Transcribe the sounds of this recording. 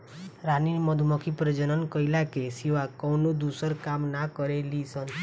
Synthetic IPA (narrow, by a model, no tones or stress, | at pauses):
ɾaniɾmɔd̪ʱumɔkʰipɾəd͡ʒənənkɔjlakesiʋakɔwnod̪usəɾkamnakɔɾelisən